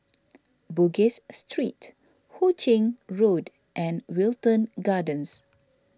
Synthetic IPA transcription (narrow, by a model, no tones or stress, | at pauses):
buɡesstɹit | hut͡ʃɪ̃ŋɹod | ʔɛ̃nwiltə̃nɡadə̃ns